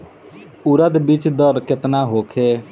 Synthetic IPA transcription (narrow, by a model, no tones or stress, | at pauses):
ʊɾəd̪bɪt͡ʃd̪ɔɾkɪt̪naːɦoːkʰeː